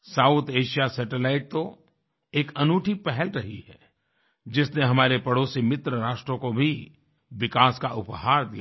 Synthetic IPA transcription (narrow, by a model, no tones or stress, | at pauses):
saːut̪ʰeːʃijasɛːʈelaːɪʈ̚t̪o | eːkɐnuːʈʰipɛɦɛlɾɐɦiɦɛ | d͡ʒɪsneɦɐmaːɾepɐɽoːsimɪt̪ɾəɾaːʃʈɾõkobʱi | ʋɪkaːskaʔʊphaːɾd̪ijaː